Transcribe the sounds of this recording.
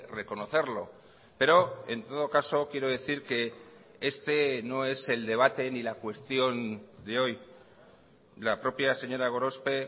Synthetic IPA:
re̞ko̞no̞θe̞ɾlo̞ | pe̞ɾo̞e̞nt̪o̞ð̞o̞kaso̞kje̞ɾo̞ðe̞θiɾke̞ | e̞st̪e̞no̞e̞se̞ld̪e̞β̞at̪e̞nilakwe̞st̪jo̞nd̪e̞o̞j | lapɾo̞pjase̞ɲo̞ɾaɣ̞o̞ɾo̞spe̞

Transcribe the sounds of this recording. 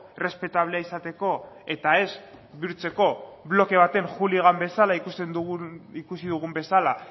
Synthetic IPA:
re̞spe̞t̪aβ̞le̞aisat̪e̞ko̞ | e̞t̪ae̞s | βiuɾt͡se̞ko̞βlo̞ke̞β̞at̪e̞ŋxuliɣambe̞salaikust̪end̪uikusiðuɣ̞umbe̞sala

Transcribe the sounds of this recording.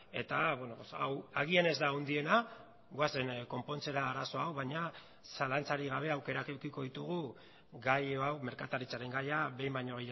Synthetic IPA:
e̞t̪aβwenopsa̰waɣ̞ie̞ne̞zd̪aond̪ie̞na | ɣwase̞nko̞mpo̞nt͡se̞ɾaːɾaso̞awβaɲa | salant͡saɾiɣ̞aβ̞e̞awke̞ɾake̞wkiko̞ðit̪uɣ̞u | ɡajawme̞ɾkat̪aɾit͡saɾe̞ŋɡajaβe̞jmbaɲo̞ɣe

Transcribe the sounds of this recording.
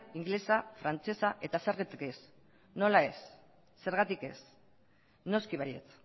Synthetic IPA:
iŋɡle̞safɾant͡se̞saʔe̞t̪aseɾɣit̪ekes | no̞lae̞sː | e̞ɾɣat̪ike̞̰s | no̞skiβaje̞̰t͡s

